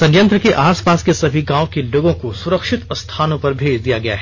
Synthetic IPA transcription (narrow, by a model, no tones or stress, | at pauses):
sɐ̃jə̃nt̪ɾəkeʔaːspaːskesɐbʱiɡãːõkeloːɡõkosʊɾəkʃɪt̪st̪ʰaːnõpɐɾbʱeːd͡ʒd̪ijaɡɐja̰ɦɛː